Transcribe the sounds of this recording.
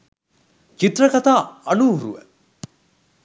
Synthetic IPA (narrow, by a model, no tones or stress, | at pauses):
t͡ʃit̪rɐkɐt̪aːɐluːrṵʋə̰